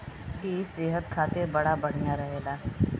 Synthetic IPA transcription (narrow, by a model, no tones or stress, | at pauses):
kiseːɦət̪kʰaːt̪ebɐɽabəɽ̤ijaɾəɦeːlaː